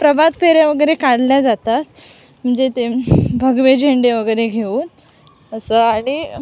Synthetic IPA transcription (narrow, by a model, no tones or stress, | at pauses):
pɾəbʱad̪pʰeɾjaʋəɡəjɾekaɽljad͡zat̪at̪ | m̤əɳd͡zet̪ebʱəɡʋed͡ʑʱeɳɖeʋəɡəjɾeɡʱeuːn | əsəaɽ̃i